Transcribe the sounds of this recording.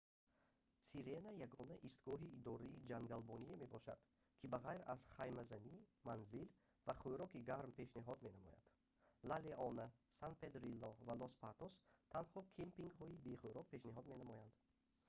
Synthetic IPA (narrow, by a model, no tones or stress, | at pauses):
siɾenajaɡɔnaʔist̪ɡɔɦiːd̪ɔɾiːd͡ʒaŋɡalbɔnieme̞bɔʃa̰d̪̥ | kʰibaʁajɾaz̥χajmazanimanzil | vaχuɾɔkiɡaɾmpʰe̞ʃniɦɔd̪me̞namɔ̰ja̰d̪̥ | laleʔɔnasanped̪ɾilːɔvalɔspat̪ɔst̪ʰanhɔkʰempiŋɡhɔibeχuɾɔk̚pʰe̞ʃniɦɔd̪me̞namɔjand̪̥